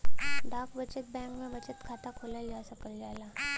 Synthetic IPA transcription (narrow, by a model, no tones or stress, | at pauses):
ɖaːkbət͡ʃət̪̚bɛ̃ːŋkmẽbɐt͡ʃət̪kʰaːt̪akʰoːlad͡ʒaːsɐkəld͡ʒaːlaː